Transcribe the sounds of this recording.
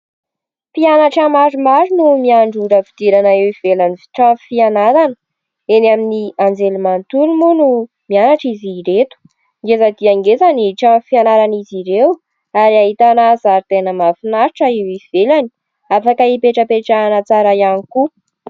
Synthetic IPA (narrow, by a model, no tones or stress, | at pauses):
pianaʈ͡ʂəmaɾumaɾunumiaɳɖ͡ʐuɖ͡ʐəvid̪̥eɾanaewiv̥elanivi̥ʈ͡ʂãfianaɾanə | enaminiand͡zelimant̪ulumunu | mianaʈ͡ʂiziɾet̪u̥ | ŋɡezad̪iaŋɡezaniʈ͡ʂãfianaɾaniziɾew | aɾiaɦit̪anazaɾit̪enəmafinaɾiʈ͡ʂəewiv̥elani̥ | afakəipeʈ͡ʂəpeʈ͡ʂanat͡saɾaijaniku